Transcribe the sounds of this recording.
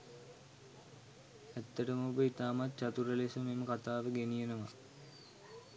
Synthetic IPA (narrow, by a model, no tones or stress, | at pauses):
æt̪ːəʈəmobəit̪aːmat̪̚t͡ʃat̪uɾəlesəmeməkat̪aːʋəɡenijənəʋa̰